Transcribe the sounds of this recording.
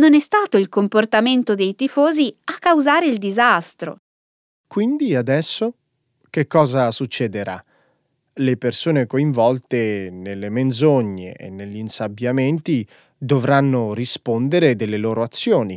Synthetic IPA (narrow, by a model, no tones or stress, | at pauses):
nonɛst̪aːt̪oilkomport̪ament̪od̪ejt̪ifoːziakːawzaːɾeild̪izast̪ɾo̰ | kwind̪iad̪ɛsːo | k̟ekːɔːzasut͡ʃːɛd̪eɾa̰ | lepersoːnekoiɱvɔlt̪enelːemenzoɲːḛʔḛnːeʎːinsabjament̪i | d̪ovɾanːorispond̪eɾed̪elːeloːɾoat̪sːjoːni